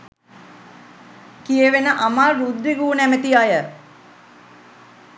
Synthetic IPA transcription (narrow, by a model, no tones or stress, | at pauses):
kijeʋenəʔamaːɾud̪ːiɡuːnæmət̪iajə